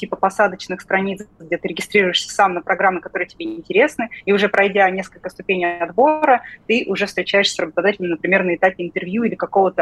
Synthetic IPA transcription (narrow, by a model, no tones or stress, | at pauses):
tʲipəpɐsad̪ət͡ɕnɨxst̪ɾɐnʲit̪sɡ̚dʲet̪ɨɾʲɪɡʲɪst̪ɾʲiɾʊjɪʂsʲə̥samnəpɾɐɡɾamːɪkɐt̪o̞ɾɨjətʲɪbʲeɪnʲtʲɪɾʲe̞snɨiʊʐɛpɾɐjdʲanʲeskəlʲkəst̪ʊpʲenʲɪjɐd̪bo̞ɾət̪ɨʔʊʐɛfst̪ɾʲɪt͡ɕæjɪʂsʲrəbət̪ɐd̪atʲɪlʲnmɪnəpɾʲɪmʲernəɪt̪apʲɪɪnt̪ɨrvjuilʲɪkɐko̞vət̪ə